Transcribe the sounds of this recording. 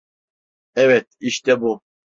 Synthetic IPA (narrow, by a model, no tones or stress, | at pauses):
ɛvɛt̪̚ʰiʃt̪ʼɛbu